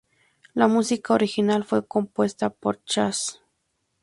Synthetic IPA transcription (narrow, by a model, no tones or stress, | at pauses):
lamusikaoɾixinalfwe̞ko̞mpwe̞st̪apoɾt͡ʃas